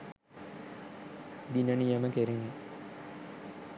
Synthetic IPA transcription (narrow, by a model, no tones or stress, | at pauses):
d̪inənijəməkeɾeŋi